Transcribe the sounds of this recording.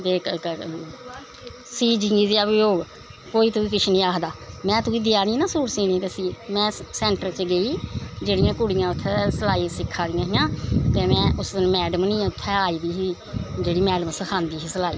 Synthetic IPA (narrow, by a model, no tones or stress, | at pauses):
b̪eːkə | siːd͡ʒiiːzeaʋɪjoːɡ | koːiːt̪uːiːk̬ɪt͡ʃʰinĩːaːkʰd̪aːmɛ̃ːt̪uːiːd̪ɪjaːnĩːnãːsuːɾsiːnĩːt̪eːsiːmɛ̃ːsɛ̃ːɳʈəɾt͡ʃəɡəiːd͡ʒeːɽɪjãːkʊɽɪjãːʊt̪ʰːɛːsəlaːiːsɪkʰːaːd̪ɪjãːɦɪjãːt̪eːmɛ̃ːʔʊsd̪ɪnmɛːɖəmnĩːãːʊt̪ʰːɛːaːiːd̪iːɦiː | d͡ʒeːɽiːmɛːɖəmsəkʰãːnd̪iːɦiːsəlaːiː